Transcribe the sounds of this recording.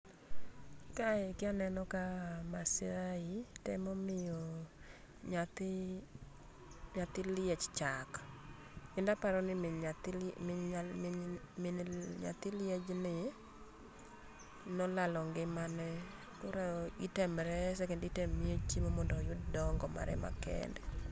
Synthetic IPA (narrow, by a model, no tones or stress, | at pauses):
kaɪkɪanɛnɔkamasɪɾaitɛmɔmɪjɔ | ɲat̪ɪ | ɲat̪ɪlɪet͡ʃt͡ʃak | ɪndapaɾɔnɪt | mɲa̰t̪ɪlɪed͡ʒnɪ | nɔlalɔŋɡɪmanɛ | kʊɾaitɛmɾɛsɛkɛnditɛmːiot͡ʃimomɔndɔjʊddɔŋɡɔma̰ɾɛ̰ma̰kɛ̰ndɛ